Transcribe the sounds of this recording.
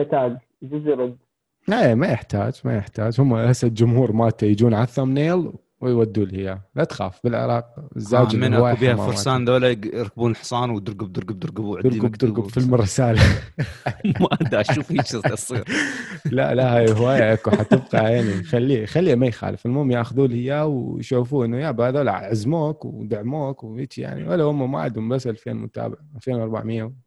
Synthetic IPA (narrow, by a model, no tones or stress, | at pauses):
t̪aːɡ | d͡ʒʊzɾˤʊd̪ | amajəħt̪a̰ːd͡ʒma̰jəħt̪aːd͡ʒhʊmːaʔasad̪d͡ʒʊmhuːɾˤmaːt̪ajd͡ʒuːnʕaθamneːl | wɪjwad̪ːuːlhɪjːalat̪xa̰ːfbɪlʕɪ̰ɾˤɑːqɪzːaːd͡ʒminʔawaːjbiːhamːafʊɾasaːnd̪oːlajɾkbuːnəlħsˤɑːnwd̪ʊɾɡʊb̚d̪ʊɾɡʊb̚d̪ʊɾɡʊbuʕt̪ɪɾɡʊbd̪ʊɾɡʊbfɪlmɪrˤːɪsaːla | maʔd̪aʃuːfiʃɪʔɑsˤiːɾla̰ʔlaʔhaːjhwaːjaʔakuħat̪ɪbqɑʕjaʕnixalːiːxalːiːamajxa̰ːlɪfɪlmoːmjaxðuːlhɪjːawjʃuːfuːʔənːʊjabaːðala̰ʕʕazmoːkwd̪aʕmoːkwheːt͡ʃija̰ʕnḭwalːaʊmːama̰ʕa̰d̪hʊmbasːʔalfḛːnmʊ̰t̪a̰ːbɪʕaʔalfeːnwɑɾˤba̰ʕmɪjːaw